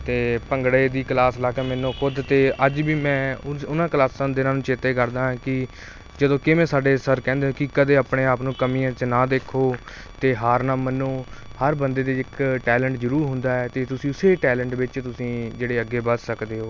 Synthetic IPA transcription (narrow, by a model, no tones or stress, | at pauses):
t̪eːpəŋɡɽeːd̪iːklaːslaːkɛːmɛːnõːkʰʊd̪t̪eːʔəd͡ʒbiːmɛ̃ːʊnãːklaːsãːd̪ɪnãːnũːt͡ʃeːt̪eːkəɾd̪aːɦːkɪ | d͡ʒəd̪õːkɪmɛ̃ːsaːɖeːsəɾkɛ̃ːnd̪eoːkɪkəd̪eːaːpɳeːaːpnũːkəmĩːãːt͡ʃnãːd̪eːkʰoː | t̪eːɦaːɾnaːmənũːhəɾbənd̪eːd̪eːɪkʈɛːlɛ̃ːɳʈzəɾuːɾɦʊ̃nd̪aːɛːt̪eːt̪ʊsĩːʊseːʈɛːlɛ̃ɳʈʋɪt͡ʃt̪ʊsĩːd͡ʒeːɽeːəɡːeːbəssəkd̪eːɦoː